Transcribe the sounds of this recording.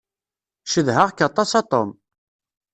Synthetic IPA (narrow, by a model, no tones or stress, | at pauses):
ʃəðɦəʁkːɑt̪ˤɑsɑt̪ˤom